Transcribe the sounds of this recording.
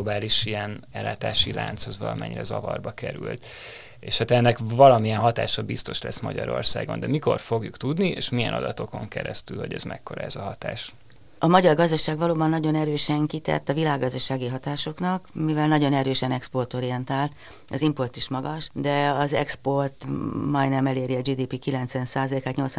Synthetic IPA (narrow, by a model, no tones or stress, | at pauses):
obaːliʃijɛnɛlːaːt̪aːʃila̰ːnt̪shɒzʋɒlɒmɛ̰ɲːiɾɛzɒvɒrbɒkɛɾylt̪ | eːʃhaːt̪ɛnːɛkvɒlɒmijɛnɦɒt̪a̰ːʃɒbist̪o̞ʃlɛsmɒɟɒɾo̞rsa̰ːɡo̞nd̪ɛmiko̞rfo̞ɡjukt̪ud̪nieːʃmijɛnɒ̰d̪ɒt̪o̞ko̞ŋkɛɾɛst̪ylho̞ɟɛzmɛkːo̞ɾɒɛzɒɦɒt̪aːʃ | ɒmɒɟɒrɡɒzd̪ɒʃaːɡʋɒloːbɒnːɒɟo̞nɛɾøːʃɛŋkit̪ɛ̰rt̪ɒvilaːɡːɒzd̪ɒʃaːɡiɦɒt̪aːʃo̞knɒkmivɛlnɒɟo̞nɛɾøːʃɛnɛkspo̞rt̪o̞ɾijɛnt̪aːlt̪ | ɒzimpo̞rt̪iʃmɒɡɒʃd̪ɛɒzɛ̰kspo̞rt̪mɒjnɛmɛleːɾiɒd͡ʒiːd̪iːpikilɛnt̪sʋɛnsaːzɒleːkaːt̪ɲo̞lt̪sʋ